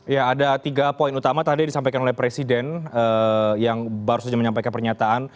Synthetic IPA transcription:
jaːdat̪iɡapoinut̪amat̪adidisampajkanolɛhpɾesidɛnəjaŋbaɾusad͡ʒaməɲampajkanpərɲat̪aʔan

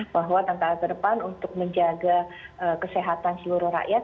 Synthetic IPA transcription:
baɦwat̪aŋkalkədəpanunt̪ʊk̚məɲd͡ʒaɡaʔəkəseɦat̪ansəluɾʊhɾa̰ʔjat̪̚

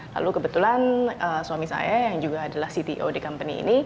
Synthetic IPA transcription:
la̰lukəbət̪ulanəsuamisa̰jajaŋd͡ʒuɡaːdalahsit̪ḭʔodikampənḭḭni

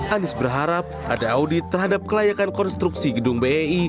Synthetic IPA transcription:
ʔanɪsbərɦaɾap̚ʔadaːudɪt̪ːərɦadap̚kəlajakankɔnst̪ɾuksiɡəduŋbeei

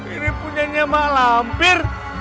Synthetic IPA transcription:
iɾipuɲaɲamaʔlampɪr

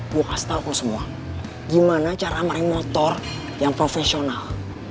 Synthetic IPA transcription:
ɡuokast̪alkusəmua | ɡimanat͡ʃaɾamaɾɪŋmɔt̪ɔr | jaŋpɾofɛsional

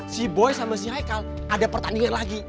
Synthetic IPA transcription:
siboɛsamas̬iɦajkal | ʔadapərt̪andiŋanlaɡi

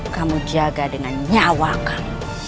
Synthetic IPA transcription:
kamud͡ʒaɡadinaɲawakam

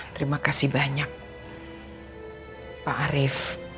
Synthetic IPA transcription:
t̪əɾimakasihbaɲak̚ | paaɾɪf

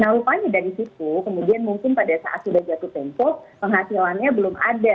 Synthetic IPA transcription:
nahɾupaɲadaɾisit̪ukəmudianmuŋkɪnpadasa̰ʔat̪sudahd͡ʒat̪up̪ɛmpɔpəŋɦasilanɲabəlʊmʔa̰da

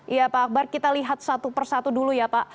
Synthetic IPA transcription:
japaːk̚barkit̪aliɦat̪̚sat̪upərsat̪udulujapaʔ

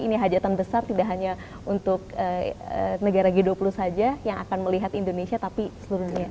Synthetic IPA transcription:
iniɦad͡ʒat̪anbəsart̪idaʔɦaɲa | unt̪ʊk̚əənəɡaɾaɡiduapulusad͡ʒajaŋa̰kanməliɦat̪indonesiat̪apisəluɾuhɲa

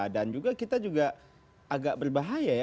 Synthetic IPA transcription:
dand͡ʒuɡakit̪ad͡ʒuɡa | aɡaʔbərbaɦajaj

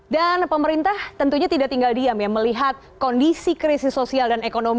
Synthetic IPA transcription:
danpəməɾint̪aht̪ənt̪uɲat̪idaʔt̪iŋɡaldiamjaŋməliɦat̪̚kondisikɾisɪsːosialdanekonom

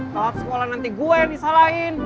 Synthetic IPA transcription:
t̪aat̪sə̥kolanant̪iɡuɛbisalain

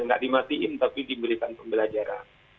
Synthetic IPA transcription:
ŋɡa̰ʔdimat̪iʔɪnt̪apidiməlikanpəmbəlad͡ʒaɾa̰n

